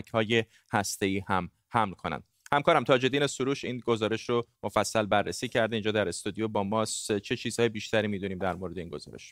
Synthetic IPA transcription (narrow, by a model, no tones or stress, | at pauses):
cʰhɒːje̞ | hæst̪e̞iːhæm | hæmlkʰonæ̰nd̪̚ | hæmkʰɒːɾæmt̪ʰɒːd͡ʒe̞d̪iːnesuɾuːʃinɡo̞zɒːɾe̞ʃɾomo̞fæsːælbærːesiːcʰæɾd̪e̞iːnd͡ʒɒːd̪æɾe̞st̪ud̪ijobɒːmɒːst͡ʃʰe̞t͡ʃʰiːz̥hɒːjebiːʃt̪æɾiːmiːd̪uniːmd̪æɾmoɾe̞d̪einɡo̞zɒ̰ːɾe̞̰ʃ